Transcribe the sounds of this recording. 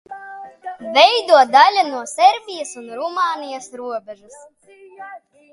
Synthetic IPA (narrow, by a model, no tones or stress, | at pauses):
vʲɛjd̪uɔd̪alʲanuɔsʲɛɾbʲijasunɾumaːnijasɾuɔbʲɛʒus